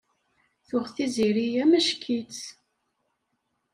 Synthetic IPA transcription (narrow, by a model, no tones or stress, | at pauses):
θʊʁθiziɾijæmæʃkʰit͡s